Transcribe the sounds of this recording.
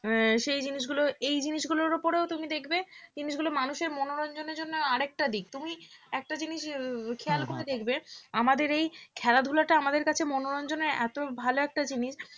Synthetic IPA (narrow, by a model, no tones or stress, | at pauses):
ʃejd͡ʑiniʃ̬ɡuloejd͡ʑiniʃɡuloɾupoɾeot̪umid̪ekʰbed͡ʑiniʃɡulomanuʃeɾmɔnoɾɔnd͡ʑoneɾd͡ʑonːoaɾɛk̚ʈad̪ik̚t̪umiɛk̚ʈad͡ʑiniʃkʰealkoɾed̪ekʰbeamad̪eɾejkʰɛlad̪ʱulaʈaamad̪eɾkat͡ɕʰemɔnoɾɔnd͡ʑonːeɛ̰t̪obʱaloɛk̚ʈad͡ʑiniʃ